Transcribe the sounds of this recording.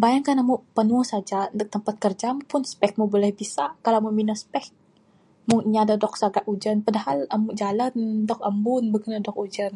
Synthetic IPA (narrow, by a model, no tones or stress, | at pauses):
bajaŋkanamupənuəŋsad͡ʒaənd̪ʊk̚t̪əmpat̪̚kərd͡ʒampʊnspɛk̚mubolɛhbisakalaməminəspɛk̚ | mʊŋiɲadadɔk̚saɡaʔud͡ʒənpadahalamud͡ʒalandɔk̚ambʊnbəɡinadɔkud͡ʒən